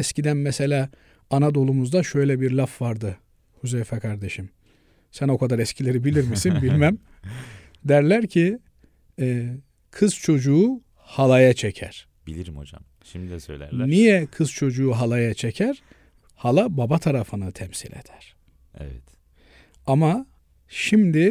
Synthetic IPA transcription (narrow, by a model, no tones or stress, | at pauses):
ɛscid̪ænmɛse̞lʲaː | anad̪o̞lˠumuzd̪aʃø̞jlʲɛbiɾlʲafvaɾd̪ɯ | huzɛjfɛkʰaɾd̪e̞ʃim | sæno̞kʰad̪aɾɛscʰilʲeɾibilʲiɾmisinbilʲmæm | d̪æɾlʲæɾcʰiː | kʰɯz̥t͡ʃʰo̞d͡ʒuː | halˠajat͡ʃʰecʰæ̰ɾ̥ | b̥ilʲiɾimo̰d͡ʒa̰m | ʃimsø̰jlʲæ̰nijɛkʰɯz̥t͡ʃʰo̞d͡ʒuːɦalˠajat͡ʃʰecʰæɾ̥ | halˠababat̪ʰaɾafɯnɯt̪ʰɛmsḭlʲḛd̪̥ʰæɾ̥ | ɛ̰vɛ̰t̪ | ama | ʃimd̪i